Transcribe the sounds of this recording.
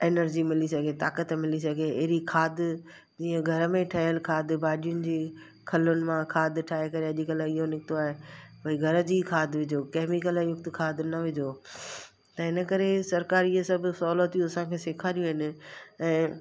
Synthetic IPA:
eːnəɾd͡ʑimɪlisɐɡʱet̪aːkət̪mɪlisɐɡʱeɐɦɾikʰaːd̪ | d͡ʑiːə̃ɡʱɐɾəmẽʈʰɐɦəlkʰaːd̪baːɗijʊnɪ̆d͡ʑeː | kʰɐlʊnɪ̆mãkʰaːd̪ʈʰaːɦekɐɾeɐʄikəlɪɦonɪkɪt̪oaːɦebʱɐiɡʱɐɾəd͡ʑiːkʰaːd̪ʋɪd͡ʑʱokɛːmikəljʊk̚t̪kʰaːd̪nɐʋɪd͡ʑʱo | t̪ɐɦɪnə̆kɐɾesɐɾkaːɾiesɐbʱʊsɐʊːlət̪ijũɐsãkʰeːseːkʰaːɾijũɦɪnɪ̆ɛ̃ː

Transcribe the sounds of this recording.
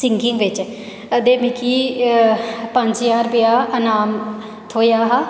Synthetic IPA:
sɪŋɡɪŋɡʋɪt͡ʃ | əd̪eːmɪkʰiː | pə̃ɲd͡ʒjaːɾbɪjaːʔənaːm | t̪ʰoːjaːɦaː

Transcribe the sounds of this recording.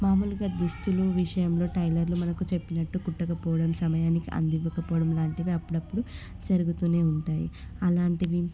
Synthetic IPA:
maːmuluɡaːd̪ust̪uluʋiʂɐjɐmlo̞ːʈɐjlɐɾlumɐnɐkut͡ʃe̞pːinɐʈːukuʈːɐkɐpɔːʋɐɽɐmsɐmɐjaːnikiʔɐ̰nd̪iʋːɐkɐpɔːɐɽɐmlaːɳʈiʋiɐpːuɽɐpːuɽu | d͡ʒɐɾuɡut̪uːneːuɳʈaːjḭɐlaːɳʈid̪i

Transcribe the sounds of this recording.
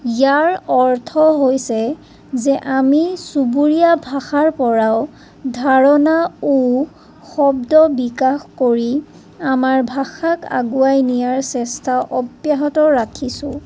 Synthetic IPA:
jaɹɔɹtʰɔɦojsɛ | zɛʔamisubuɹijabʱaxaɹpɔɹaʊ | dʱaɹɔnau | xɔbdɔbikaxkoɹi | amaɹbʱaxaka̰ɡuajnijaɹsɛstʰaʔɔbjaɦɔtɔɹakʰisʊ̃

